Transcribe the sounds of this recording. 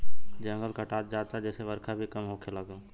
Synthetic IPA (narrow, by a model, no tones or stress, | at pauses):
d͡ʒə̃ŋɡəlkaʈaːt̪̚d͡ʒaːd̪̚t̪ad͡ʒɛːseʋɐɾkʰabʱikɐmɦoːkelaɡa